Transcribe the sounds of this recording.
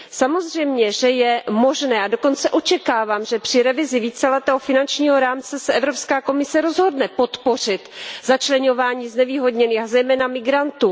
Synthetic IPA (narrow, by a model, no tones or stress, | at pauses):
samo̞zr̝ɛjmɲɛʒɛjɛmoʒnɛːado̞ko̞nt͡sɛʔo̞t͡ʃɛkaːvaːmʒɛpr̝̥ɪɾɛvɪzɪviːt͡sɛlɛt̪ɛːɦofɪnant͡ʃɲiːɦo̞ɾaːmt͡sɛsɛʔɛvɾopskaːko̞mɪsɛɾo̞zɦo̞dnɛpo̞t̪po̞r̝ɪt̪zat͡ʃlɛɲo̞vaːɲiːznɛviːɦo̞dɲɛniːxazɛjmɛːnamɪɡɾant̪uː